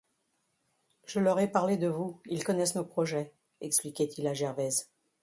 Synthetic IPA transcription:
ʒəlɔʁɛpaʁled̪əvuilkɔnɛsnopχɔʒɛ | ɛksplikʲɛt̪ʰilaʒɛʁvɛz

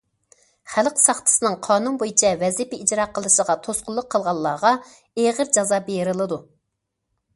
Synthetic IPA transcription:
χælqsɑχt̪ʰɨ̥sɨnɨŋqʰɑːnunbojit͡ʃʰɛvɛzipɪid͡ʒɾɑqʰːəlˠɨʃəʁɑt̪ʰosqʊlˠːʊqʰːəlˠʁɑlˠːɑːʁɑ | eʁəɾd͡ʒɑzɑbejɾɨlˠɨd̪u

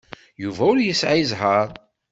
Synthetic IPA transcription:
juvæʊɾjəsʕizɦəɾˤ

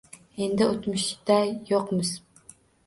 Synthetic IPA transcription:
end̪ɪot̪mʊʃɪd̪ɛjoqmɨz̥

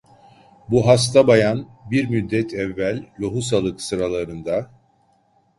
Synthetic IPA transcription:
buɦas̬t̪ʰabajanbiɾmyd̪ːɛt̪ʰɛvːælʲloɦusalˠɯksɯɾalˠaɾɯnd̪a

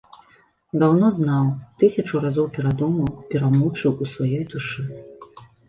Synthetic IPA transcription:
d̪awnɔznawt̪ɨsʲɐt͡ʂuɾazɔwpʲɛɾad̪ɔmɐwpʲɛɾamɔt͡ʂɨwusvajɔjd̪uʂɨ

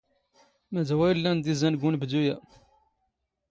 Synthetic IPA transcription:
mædwæjlːænd̪izænɡunbd̪ujæ

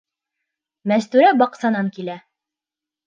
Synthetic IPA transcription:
mæst̪ʉɾæbɑqsɑnɑŋkilæ

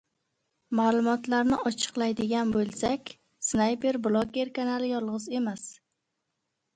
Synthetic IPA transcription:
maːlˠʊmɒt̪laɾnɪɒt͡ʃʰɨ̥qlˠajd̪ɪɡʲanbolˠsakʲ | snajpe̞ɾblˠoɡʲeɾkʰanalɪjɒlˠʁɨze̞mas

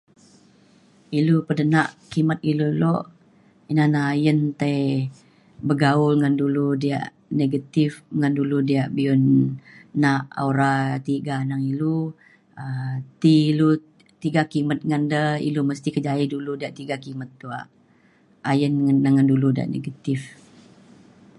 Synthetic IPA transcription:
ilupədənaʔkimət̪̚iluloʔ | inanaːjənt̪aj | bəɡaʊlŋanduludia̰ʔ | neɡat̪ifŋanduludiaʔbion | naʔa̰uɾat̪iɡanaŋilu | ət̪ilu | t̪iɡakimət̪̚ŋandəḭluməst̪ikəd͡ʒaiduludiaʔt̪iɡakimət̪ːua̰ʔ | ajənːəŋənduludia̰ʔnḛɡat̪if

